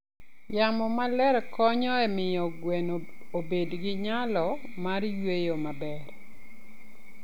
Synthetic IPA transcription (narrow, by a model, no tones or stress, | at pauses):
jamɔmalɛɾkɔɲɔɛmɪjɔɡwenobedɡɪɲalɔmarjwejomabɛr